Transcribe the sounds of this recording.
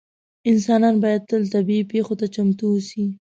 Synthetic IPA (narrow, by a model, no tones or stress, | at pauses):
ɪnsɑnɑnbɑjad̪̚t̪əlt̪abiipexot̪at͡ʃamt̪uwusi